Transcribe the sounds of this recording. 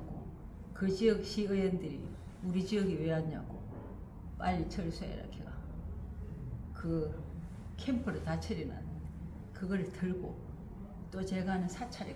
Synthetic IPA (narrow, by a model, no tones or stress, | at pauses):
ɡo̰ | kɯt͡ɕiʌk̚ɕ͈iɯjendɯɾḭ | uɾid͡ʑiʌɡiweaɲa̰ɡo̰ | p͈aɾit͡ɕʰʌɭsʰuḛɾa̰kʰeɡa̰ | kɯ | kʰempʰɯɾɯtat͡ɕʰeɾina̰n | kɯɡʌɾɯɭtɯɭɡo | t͈ot͡ɕeɡanɯnsʰat͡ɕʰaɾi